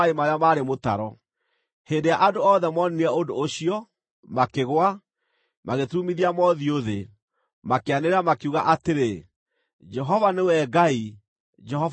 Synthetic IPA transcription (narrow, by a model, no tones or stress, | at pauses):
emaɾeamaːɾemota̰ɾɔ | heːndejaʔadoɔːðɛmɔniniɛondoːɕiɔ | makeɣwa | maɣetumiðiamɔðioðe | makeaneɾeɾamakeuɣa̰ʔateɾe | d͡ʒɛɦɔvanewɛɡai | d͡ʒɛɦɔ